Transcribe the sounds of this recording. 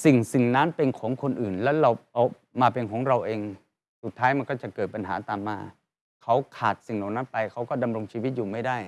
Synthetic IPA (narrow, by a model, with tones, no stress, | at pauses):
si˨˩ŋsi˨˩ŋna˦˥npe˧nkʰɔː˩˦ŋkʰo˧nʔɯː˨˩nlɛː˦˥wɾa˧wʔa˧w | maː˧pe˧nkʰɔː˩˦ŋɾa˧wʔeː˧ŋ | su˨˩t̪ʰːaː˦˥jma˧nkɔː˥˩t͡ɕa˨˩kɤː˨˩t̪̚pa˧nɦa̰ː˩˦t̪aː˨mːaː˧ | kʰa˦˥wkʰaː˨˩t̪̚si˨˩ŋna˨˩wna˦˥npa˧jkʰa˦˥wkɔː˥˩da˧mɾo˧ŋt͡ɕʰi˧wi˦˥t̪̚juː˨˩ma˥˩jdaː˥˩j